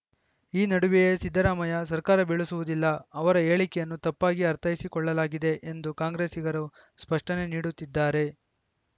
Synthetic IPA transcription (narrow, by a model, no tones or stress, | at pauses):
iːnɐɽuʋijesid̪ʱːɐɾaːmɐjɐs̬ɐɾkaːɾɐbeɭusuʋud̪ilːɐɐʋɐɾɐe̞ːɭikɛjɐnːut̪ɐpːaːɡiɐɾt̪ʰɐjisikɔɭːɐlaːɡid̪e̞ʔend̪ukaːŋɡɾe̞ːsiɡɐɾu | spɐʂʈɐne̞niːɽut̪ːid̪ːaːɾe̞